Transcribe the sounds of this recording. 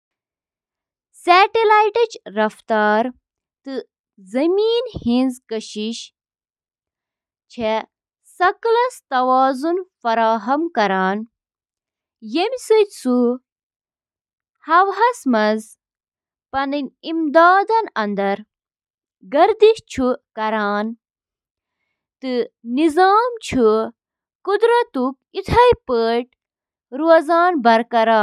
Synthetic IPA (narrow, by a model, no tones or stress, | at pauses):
saːʈilaːjʈɐt͡ʃɾɐft̪aːɾ | t̪ɨ | zɐmiːnhĩnzkɐʃiʃ | t͡ʃʰe | sɐklɐst̪ɐʋaːzunfɐɾaːɦɐmkɐɾaːn | jemʲsɨt̪ʲsu | hɐwɦɐsmɐz | pɐnɨnʲimd̪aːd̪ɐnɐnd̪ɐɾ | ɡɐɾd̪iʃt͡ʃʰukɐɾaːn | t̪ɨnizaːmt͡ʃʰu | kud̪ɾɐt̪up̚it̪ʰɐjpəːʈ̚ | ɾuɐzaːnbɐɾkɐɾaː